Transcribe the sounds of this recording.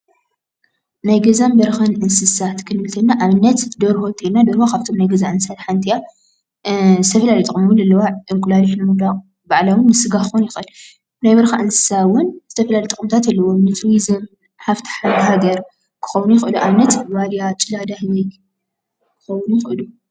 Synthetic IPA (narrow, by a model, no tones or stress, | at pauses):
najɡɐzambɐɾxɐnʔɨnsɨsat̪kʰɨnɨlt̪ʰɐnːaʔaβɨnːɐt̪d̪oɾhot̪ʼinːad̪oɾhokʰaβt̪ʰo̞mnajɡɐzaʕɨnsɨsat̪ħant̪ʰija | zɨt̪ʰɐfɐlalɐjt̪ʼɨkʼmmulɐlːɐwaʔɨŋkʼlaliħnɨmud̪a | baʕlawʊnːɨsɨɡaɨxonjɪxʔɨlu | najbɐɾxaʔɨnsɨ̥sawʊnz̥ɨt̪ʰɐfɐlalejt̪ʼkʼɨmt̪ʰat̪alːɐwomnɨt̪ʰuwizɨm | ħaft̪ʰi̥ħaɦaɡɐɾ | kʰɨ̥xɐwnujɪxʔɨluʔaβɨnːɐt̪walijat͡ʃʼɨlad̪ahɨzɐj | kʰɨ̥xɐwʊnjɪxɨʔɨlu